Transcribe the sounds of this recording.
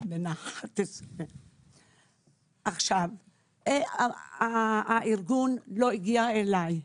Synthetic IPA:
benaat̪ese | aχʃav | aaiɾɡunloiɡiaelaj

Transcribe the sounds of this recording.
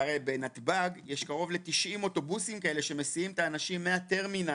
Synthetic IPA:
aʁejbe̞nat̪baɡjeʃkaʁo̞vle̞t̪iʃʔimo̞to̞busimkae̞le̞ʃe̞me̞sijimtaːnaʃimːeat̪e̞ʁmina

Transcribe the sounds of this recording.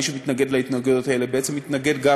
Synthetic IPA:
iʃemit̪naɡed̪leit̪naɡed̪otaelebeet͡semːit̪naɡe̞d̪ɡa

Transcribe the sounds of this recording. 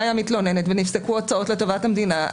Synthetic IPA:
jamit̪lo̞ne̞netvenifsekuot͡sao̞tle̞to̞vathamd̪ina

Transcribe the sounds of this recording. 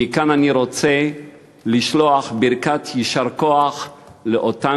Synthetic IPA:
ikananiɾot͡se | liʃloaχbiɾkatʰjiʃaʁkoaχleʔota

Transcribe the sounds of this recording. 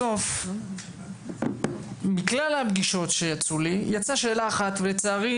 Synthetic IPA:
o̞f | miklalhabɡiʃo̞tʃe̞jat͡sulijat͡saʃe̞ːlaːχat̪velet͡saːʁi

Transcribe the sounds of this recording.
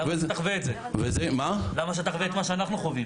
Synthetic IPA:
vt̪aχveːt̪ze | vezemalamaʃ̬et̪aχveet̪maʃeanaχnuχovim

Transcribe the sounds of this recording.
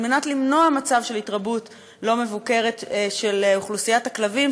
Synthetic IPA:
lmenatlimno̞amat͡savʃe̞litʁabut | lo̞me̞vuke̞ʁe̞tʃe̞luχlusijathaklavim

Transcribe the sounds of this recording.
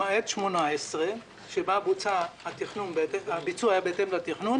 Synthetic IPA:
aet̪ʃmonaesʁe | ʃebabut͡sahat̪iχnunbet̪eabit͡suajabeet̪emlat̪iχnun

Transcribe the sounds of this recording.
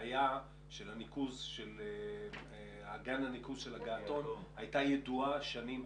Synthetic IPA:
ja | ʃelhanikuzʃel | aɡananikuzʃelhaɡaːto̞nhajtajeduaʃanim

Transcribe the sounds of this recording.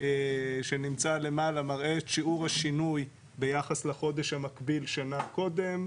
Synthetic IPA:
ʃenimt͡sale̞malamaʁʔeːtʃiuʁhaʃinuj | be̞jaχasleχo̞d̪e̞ʃhamakbilʃanako̞d̪e̞m

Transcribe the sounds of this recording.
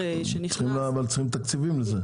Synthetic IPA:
eʃenisχimlavalt͡sə̥χimt̪akt͡sivimleze

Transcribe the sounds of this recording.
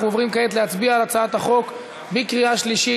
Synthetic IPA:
uovʁimkaetleat͡sbiaːlat͡saat̪haχo̞k | bikʁiaʃliʃi

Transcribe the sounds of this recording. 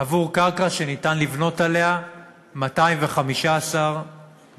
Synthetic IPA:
avuʁkaʁkaʃe̞nitanlivno̞talea | mataimve̞χamiʃaːsaʁ

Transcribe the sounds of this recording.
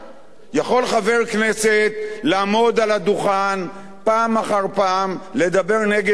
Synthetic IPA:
jaχo̞lχave̞ʁkne̞se̞t̪laːmo̞d̪alad̪uχan | paːmaχaʁpaːmle̞d̪abe̞ʁne̞ɡe

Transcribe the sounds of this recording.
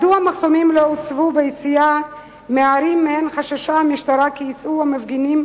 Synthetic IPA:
d̪uamaχsomimloot͡svubejit͡sija | meaɾimːehenχaʃaʃaamiʃt̪aɾakiit͡suamevɡinim

